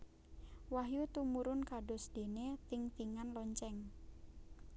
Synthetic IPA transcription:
waɦjut̪umuɾʊnkaɖɔsd̥e̤net̪ɪŋt̪iŋanlɔɲt͡ʃɛŋ

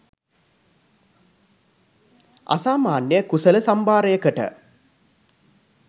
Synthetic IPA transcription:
a̰saːmaːnjəkusələsambaːɾəjəkəʈə̰

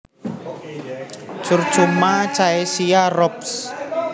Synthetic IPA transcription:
t͡ʃʊr̥t͡ʃumat͡ʃaesiarɔps

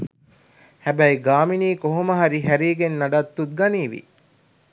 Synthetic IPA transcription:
hæbæjɡaːminiːkoɦoməɦaɾiɦæɾiːɡenːɐɖat̪ːut̪̚ɡɐniːʋḭ

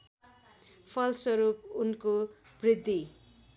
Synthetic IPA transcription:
pʰʌlswʌɾupunko | brid̪ʱːi

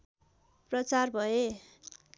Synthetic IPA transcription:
prʌt͡sarbʱʌe

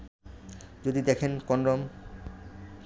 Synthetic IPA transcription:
d͡ʑod̪id̪ɛkʰenkɔnɾom

